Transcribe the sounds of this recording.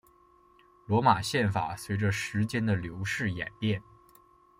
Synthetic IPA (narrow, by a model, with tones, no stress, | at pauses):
lwɔ˧˥ma˨˩ɕjɛ˥˩nfa̰˨˩swe˧˥ɪʈ͡ʂə˧ʂɻ̩˧˥t͡ɕjɛ˥nd̪ə˨ljo˧˥ʊʂɻ̩˥˩jɛ̰˨˩npjɛ˥˩n